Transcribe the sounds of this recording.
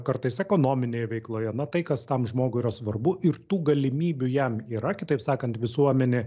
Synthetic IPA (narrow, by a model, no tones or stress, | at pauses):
kɐɾt̪ɐɪsɛkoːnoːmʲɪnʲeːjɛʋʲɛɪklˠoːjɛnɐt̪ɐɪkɐst̪ɐmʒmoːɡʊiɾɐsʋɐrbʊɪɾt̪uːɡɐlʲɪmʲiːbʲʊjɛmiːɾɐkʲɪt̪ɐɪpsɑːkɐnt̪ʋʲɪsuɔmʲɛnʲeː